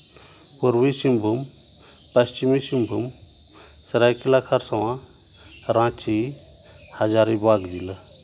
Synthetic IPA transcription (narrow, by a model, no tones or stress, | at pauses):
puɾwisimbʱum | pɐst͡ʃimisimbʱum | sɐɾajkilakʰaɾsɐwã | ɾãːt͡ʃi | had͡ʒaɾibaɡd̪il